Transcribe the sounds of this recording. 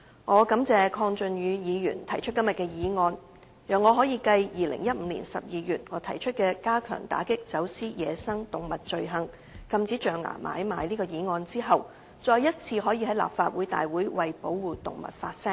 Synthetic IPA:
ŋɔː˨˧kɐ˨˥mt͡sɛː˨˧kʰɔː˧ŋt͡ʃɵ˨njyː˨˧jiː˨˧jyː˨˩nt̪ʰɐ˨˩jt͡ʃʰɵ˥t̚kɐ˥mjɐ˨t̚kɛː˧jiː˨˧ŋɔː˧n | jœː˨˩ŋːɔː˨˧ɦɔː˨˥jiː˨˧kɐ˧jjiː˨lɪ̰˨˩ŋjɐ˥t̚m̩˨˧lḭ˨˩nsɐ˨p̚jiː˨˧jyː˨˩t̚ŋɔː˨˧˥t̪ʰɐ˨˩jt͡ʃʰɵ˥t̚kɛː˧kaː˥kʰœ̰ː˨˩ŋt̪a̰ː˨˥kɪ˥k̚t͡sɐ˨˥wsiː˥jɛː˨˧sɐ˥ŋt̪ʊ˨˩ŋmɐ˨t̚t͡ʃɵ˨ɥɦɐ˨˧ŋ | kɐ˧mt͡siː˨˥t͡ʃœː˨ŋa̰ː˨˩mʔa̰ː˨˧jma̰ː˨˧jliː˥kɔː˧jiː˨˧ŋɔː˧nt͡siː˥ɦɐ˨w | t͡sɔː˧jɐ˥t̚t͡sʰiː˧ɦɔː˨˥jiː˧hɐ˨˥jla̰ː˨p̚faː˧t̚wuː˨˥jt̪a̰ː˨jwuː˨˥jwɐ˨jpo̰˨˥wwuː˨t̪ʊ̰˨ŋmɐ̰˨˩t̚faː˧t̚sɛ˥ŋ

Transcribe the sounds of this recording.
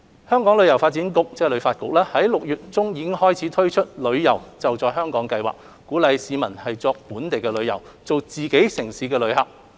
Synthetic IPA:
hœː˥ŋkɔː˨˥ŋlɵ˨˧ɥjɐ˨˩wfa˧t̚t͡siː˨˥nkʊ˧k̚t͡sɛː˥lɵ˨˧ɥfaː˧t̚kʊ˨k̚lɛː˥hɐ˨˥jlʊ˨k̚jyː˨t̚t͡sʊ˥ŋjiː˨˧kɪ˥ŋhɔː˥jt͡sʰiː˨˥t̪ʰɵ˥ɥt͡ʃʰɵ˥t̚lɵ˨˧ɥjɐ˨˩wt͡sɐ˨wt͡sɔː˨jɦœː˥ŋkɔː˨˥ŋkɐ˧jwa̰ː˨˩k̚ | kːuː˨˥lɐ˨˧jsiː˨˧mɐ˨˩nhɐ˨jt͡sɔː˧k̚puː˨˥nt̪e˨jkɛː˧lɵ˨˧ɥjɐ̰˨˩w | t͡so˨wt͡siː˨ke˨˥jsɪ˨˩ŋsiː˨˥kɛː˧lɵ˨˧ɥhɐ˨k̚

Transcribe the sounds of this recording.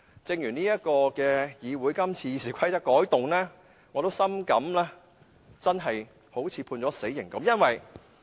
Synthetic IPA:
t͡sɪ˧ŋjyː˨˩niː˥jɐ˥t̚kɔː˧kɛː˧jiː˨˧wuː˨˥jkɐ˥mt͡sʰiː˧jsiː˨˩kʷʰɐ˥jt͡sɐ˥kːɔː˨˥jt̪ʊ˨ŋlɛː˥ | ŋɔ˨˧t̪o˥wsɐ˥mkɐ˨˥mlɛː˥ | t͡sɐ˥nɦɐ˨j | ho˨˥wt͡sʰiː˨˧pʰuː˧nt͡sɔː˨˥se˨˥jːɪ˨˩ŋkɐ˨˥mjɐ˥nwɐ˨j

